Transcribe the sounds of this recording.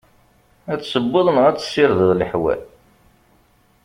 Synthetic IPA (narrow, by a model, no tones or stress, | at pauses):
æt͡sːsəbːəðˤənʁæt͡sːə̥sːɪɾðəðləħwæ̰l